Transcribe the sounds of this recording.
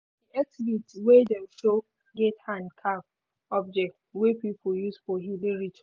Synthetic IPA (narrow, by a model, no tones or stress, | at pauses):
diak̚tivitwedɛ̃mʃo | ɡethãndkʰap | ɔb̚d͡ʒɛk̚twepipʰʊjusfɔɦuliɹit͡ʃ